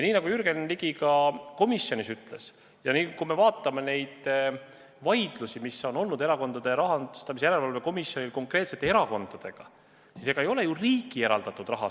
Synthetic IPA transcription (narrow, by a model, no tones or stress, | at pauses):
jɑniːnɑɡ̥ujyɾɡ̥e̞nliɡ̥iɡɑko̞misjo̞nisyt̪ːˑle̞s | jɑniːkume̞vɑːt̪ːˑɑme̞ne̞jd̪̥ | vɑjd̪̥lusimiso̞no̞lnud̪e̞ɾɑko̞nd̪̥ɑd̪̥e̞ɾɑɦɑnst̪ɑmisejæɾe̞lvɑlve̞ko̞misjo̞nʲilko̞ŋkˑre̞t̪se̞t̪ːeeɾɑko̞nd̪̥ɑd̪̥e̞ɡ̥ɑ | sise̞ɡ̥ɑejo̞le̞juriːɡie̞ɾɑ̰ld̪̥ɑt̪ːˑud̪rɑɦɑ